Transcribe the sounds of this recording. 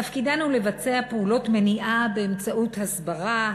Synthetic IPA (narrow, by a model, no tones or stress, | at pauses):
afkidanule̞vat͡se̞apeulo̞tme̞niʔabe̞ːmt͡saʔuthasbaʁa